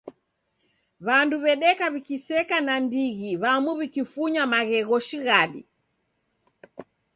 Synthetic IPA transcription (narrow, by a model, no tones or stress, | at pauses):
βanduβɛɗɛkaβikisɛkanandiɣiβamuβikifuɲamaɣɛɣɔʃiɣaɗḭ